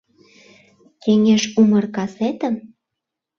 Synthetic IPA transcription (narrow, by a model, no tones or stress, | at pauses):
keŋeʃumərkɑset̪ə̆m